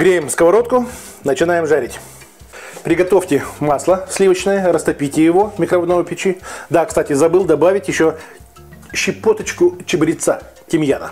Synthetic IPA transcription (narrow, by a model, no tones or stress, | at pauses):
ɡɾʲejɪmskəvɐɾo̞t̪̚kʊ | nət͡ɕɪnajɪmʐaɾʲɪtʲ | pɾʲɪɡɐt̪o̞ftʲɪmaslˠəsʲlʲivət͡ɕnəjəɾəst̪ɐpʲitʲɪjɪvomʲɪkɾɐvod̪novəpʲɪt͡ɕid̪akst̪atʲɪzɐbɨlˠd̪ɐbavʲɪtʲjɪɕːo | ɕːɪpot̪ət͡ɕkʊt͡ɕɪbɨɾʲɪt̪sa̰ | tʲɪmʲjanə̰